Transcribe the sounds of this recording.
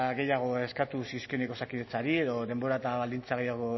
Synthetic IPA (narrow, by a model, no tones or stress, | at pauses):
ɣe̞jaɣ̞o̞e̞skat̪usiskioneko̞sakiðe̞t͡saɾie̞ðo̞ðembo̞ɾat̪aβald̪int͡saɣe̞jaɣ̞o̞